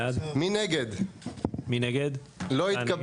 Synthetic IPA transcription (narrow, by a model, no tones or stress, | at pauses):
ad̪mineɡed̪ | mineɡed̪ | loikab